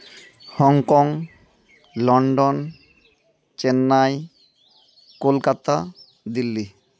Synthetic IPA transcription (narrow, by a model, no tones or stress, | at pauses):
hɔŋkɔŋ | lɔɳɖon | t͡ɕenːaj | kolkat̪a | d̪ilːi